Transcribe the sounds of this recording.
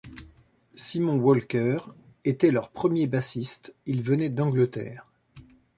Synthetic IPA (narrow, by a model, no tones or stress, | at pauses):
simɔ̃wɔlkʲœʁ | et̪ɛlœʁpχəmjebasist̪ilvənɛd̪ɑ̃ɡlət̪ɛ̰ːʁ